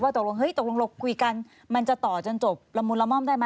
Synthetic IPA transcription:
waː˥˩t̪o˨˩k̚lo˧ŋɦɤ˦˥jt̪o˨˩k̚lo˧ŋlo˧˩kʰːu˧ka˧n | ma˧nt͡ɕa˨˩t̪ɔː˨˩t͡ɕo˧nt͡ɕo˨˩p̚la˧˦˥muː˧nla˧˥mɔ˥˩mdaː˥˩jma˦˥

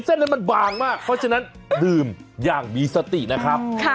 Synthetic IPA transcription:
se˥˩nːa˦˥nma˧nbaː˨˧˩ŋmaː˥˩pʰɔ˦˥t͡ɕʰa˧na˦˥ndɯː˨˩mjaː˨˩ŋmiː˧sa˧t̪i˨˩ʔna˦˥kʰɾa˦˥p̚ʰ

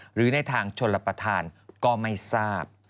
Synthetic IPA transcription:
ɾɯː˩˦na˧jt̪ʰaː˧˩ŋt͡ɕʰo˧nlːa˧pɾa˧t̪ʰaː˧nkɔː˥˩ma˥˩jsaː˥˩p̚

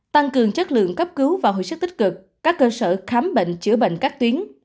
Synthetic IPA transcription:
t̪a˧ŋkɨ˨˩əŋt͡ɕə˦˥t̚lɨ̰˧˨əŋkə˦˥p̚kɨ˨˦wvaː˨˩ɦo̰˧˨jsə˦˥t̚t̪i˦˥k̟̚kɨ˨˩k̚ | kaː˦˥kːəː˧səː˧˩xaː˨˦mɓḛ˧˨ŋ̟t͡ɕɨ̰˧˩əɓḛ˧˨ŋ̟kaː˦˥k̚t̪wi˨˦ən

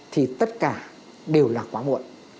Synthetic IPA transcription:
t̪ʰi˨˩t̪ə˦˥t̚kaː˧˩ | ɗe˨˩əwlaː˨˩kwaː˨˦mṵ˧˨ən

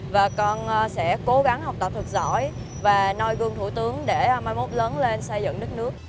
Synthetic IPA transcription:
vaː˨˩kɔ˧nː˧sɛ̰˧˥ko˨˦ɣa˨˦ŋha˨˩wk͡p̚t̪ə˧˩p̚t̪ʰɨ˨˩k̚zɔ̰˧˩˨j | vaː˨˩nɔ˧jɣɨ˨˩əŋt̪ʰu˧˩t̪ɨ˨˦əŋɗe˧˩˧maː˧jmo˦˥t̚ləː˨˦nle˧nsə˧jzɨ̰˧˨ŋɗɨ˦˥k̚nɨ˦˥ək̚

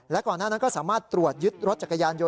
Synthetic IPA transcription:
lɛ˦˥kɔː˨˩nːaː˥˩na˦˥nkɔː˥˩saː˩˦maː˥˩t̪ːɾu˨˩ət̪̚jɯ˦˥t̪̚ɾo˦˥t̪̚t͡ɕa˨˩kːa˧jaː˧njo˧

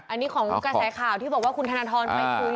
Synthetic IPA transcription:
ʔa˧nːi˦˥kʰɔː˩˦ŋkɾa˧sɛː˩˦kʰaː˨˩wt̪ʰiː˥˩bɔː˨˩k̚waː˥˩kʰu˧nt̪ʰa˧naː˧t̪ʰɔː˧nma˥˩jkʰu˧˦

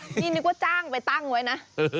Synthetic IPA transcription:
ɲi˧˩ni˨˩kw̚t͡ɕaː˧ŋvaː˨˩t̪a˧ŋo˨˩˨jna˨˦

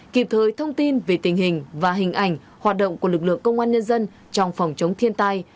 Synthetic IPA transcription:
ki˨˩p̚t̪ʰəː˨˦jt̪ʰə˧wŋ͡mt̪i˧nve˨˩t̪ï˨˩ŋ̟ɦï˨˩ŋ̟vaː˨˩ɦï˨˩ŋ̟ʔa˨˧˩jŋ̟ | hwaː˨˩t̚ɗə̰˧˨wŋ͡mku˧˩əlɨ˨˩k̚lɨ̰˧˨əŋkə˧wŋ͡mʔaː˧nɲə˧nzə˧n | t͡ɕɔ˧wŋ͡mfɔ˨˩wŋ͡mt͡ɕə˨˦wŋ͡mt̪ʰi˧ənt̪a˧j

